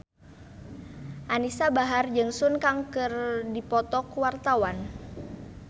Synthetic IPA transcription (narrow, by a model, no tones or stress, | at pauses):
ʔanisabaɦard͡ʒɨŋsʊnkaŋkɨrdipɔt̪ɔkwart̪awan